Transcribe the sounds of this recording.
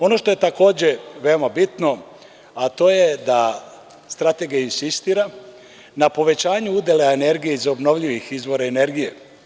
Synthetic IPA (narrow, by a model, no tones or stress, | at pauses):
o̞no̞ʃt̪o̞jet̪ako̞ːd͡ʑeʋe̞omabit̪no̞ | at̪o̞jed̪a | st̪ɾat̪e̞ɡijainsist̪iːɾa | napo̞ʋe̞t͡ɕaːɲuud̪jelaene̞ɾɡijeizobno̞ʋʎiʋixizʋo̞ɾaene̞ɾɡije